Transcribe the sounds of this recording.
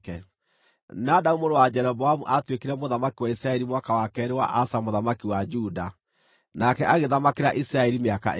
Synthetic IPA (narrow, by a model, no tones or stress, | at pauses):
ɛ | nadaumoɾowad͡ʒɛɾɔbɔhamuʔatwekeɾɛmoðamakiwaisɾaɛɾimwakawakɛːɾewa̰ʔasamoðamakiwad͡ʒuda | nakɛʔaɣeðamakeɾaʔisɾaɛɾimeaka̰ʔ